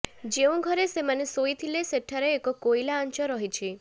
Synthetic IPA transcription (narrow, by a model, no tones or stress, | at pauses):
d͡ʒeũɡʱɔɾesemanesoit̪ʰileseʈʰaɾeːkɔkojlaɔnt͡ʃɔɾɔɦit͡ʃʰi